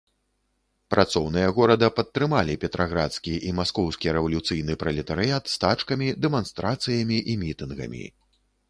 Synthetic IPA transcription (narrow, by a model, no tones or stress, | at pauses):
pɾʔat̪sɔwnɨjɐɣɔɾɐd̪ɐpɐt̪ːɾɨmalʲipʲɛt̪ɾʔaɣɾa̰t̪skʲiʔimaskɔwskʲiɾɛvɐlʲut̪sɨjnɨpɾɐlʲɛt̪ɐɾɨjat̪st̪at͡ʂkɐmʲid̪ɛmanst̪ɾʔat̪sɨjɐmʲiʔimʲit̪ɨnɣɐ̰mʲḭ